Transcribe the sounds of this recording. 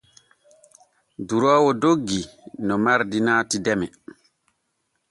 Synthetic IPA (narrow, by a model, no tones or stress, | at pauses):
duɾɔːwɔdoɡːinɔmaɾdinaːtidɛmɛ